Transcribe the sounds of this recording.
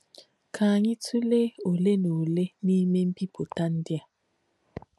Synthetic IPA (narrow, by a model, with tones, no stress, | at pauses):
kʰaː˨ɲi˦tʰu˦le˦o˨le˦no˨le˦ni˦me˦m̩˦pi˦bo˨ta˦n˦di˦a˨